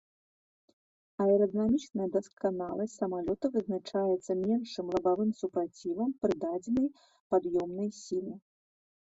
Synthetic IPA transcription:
ɐɛɾɐd̪ɐnamʲit͡ʂnɐjɐd̪ɐskanalˠɐsʲsɐmalʲɔt̪ɐvɨznat͡ʂajɛt̪sːɐmʲɛnʂt͡ʂɨmlˠɐbavɨmsupɾat͡sʲivɐmpɾɨd̪ad͡zʲɛnɐj | pad̪jɔmnɐjsʲilʲˠi

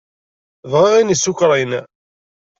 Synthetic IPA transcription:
ðʁɪʁinisːʊkɾˤin

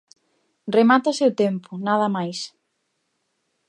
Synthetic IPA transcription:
remat̪aseot̪empʊnaðɐmajs

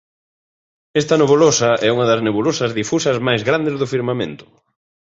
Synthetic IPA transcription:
ɛst̪ɐnoβulosɐʔɛuŋɐðɐzneβulosɐzðifusɐzmajzɣɾand̪ezðʊfiɾmamḛ̃nt̪ʊ̥

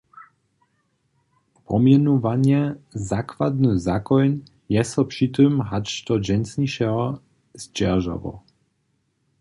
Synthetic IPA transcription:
pɔmjɛnuvaɲɛzakvad̪nɨzakɔjn | jɛsɔpʂit̪ɨmɦaʂt̪ɔd͡ʑɛnsɲiʃɛɔ | zd͡ʒɛʒa̰vɔ̰

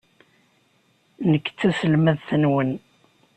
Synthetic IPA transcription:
nəkːt͡sːæsəlmæðθənwən

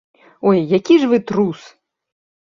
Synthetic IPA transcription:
ɔjːakʲiʐvɨt̪ɾus

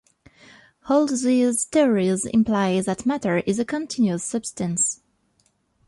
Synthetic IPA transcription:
holˠdziztiɔɹizɪ̰̃mpʰl̥aɪðɨtmæɾə˞ʔɪzəkʰə̃ntʰɪ̃njʉəsːʌb̥stɨ̃ns

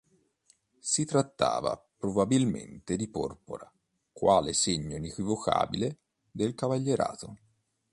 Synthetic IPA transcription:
sit̪ɾat̪ːa̰ːva̰pɾobabilmḛnt̪ed̪ipɔ̰rpo̰ɾa | kwaːleseɲːoinekwivokʰa̰ːbile | d̪elkavaʎːeɾa̰ːt̪o

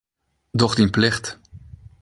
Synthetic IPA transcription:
d̪ɔχtɪnplɛχt

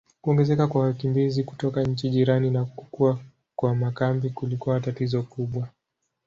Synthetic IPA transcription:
kuɔŋɡɛzɛkakwawakimbiziku̥tɔkaɲ̩t͡ʃiʄiɾaninaku̥kua | kwamakambikulikuaatatizɔkuɓwa

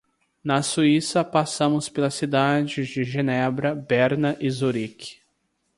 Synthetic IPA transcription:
nɐsuisɐpasɐ̃mʊspelɐsid̪ad͡ʒɪzd͡ʒɪʒenɛbɾɐbɛɾnɐʔizuɾikɪ̥

